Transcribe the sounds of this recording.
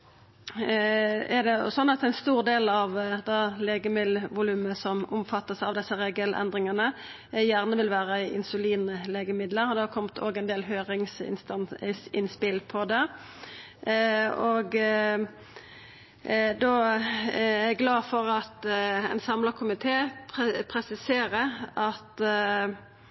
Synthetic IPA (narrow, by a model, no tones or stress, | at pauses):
æd̪ɛʊ̰sɔnːɑt̪æɪnst̪uːʁd̪eːlɑʋd̪ɑleːɡəmɪlʋʊlʉːməsɔmʊmfɑt̪ːəsɑʋd̪ɛsːəʁeːɡəlʔɛ̰nd̪ʁɪŋɑnə | jæʁnəʋɪlʋæːʁəɪ̰nsʊliːnəleːɡəmɪd̪ləɾd̪ɑkʰɔmt̪ʰo̰ːɡɛnd̪eːlɦøːʁɪŋsɪ̰sɪnspɪlpʰɔd̪ɛ | oɡ | d̪ɔ | æɡlɑːfɔʁɑt̪ɛ̰ɪnsɑmləkʰʊmɪt̪ʰeːpʰpʰʁɛsɪseːʁəɑt̪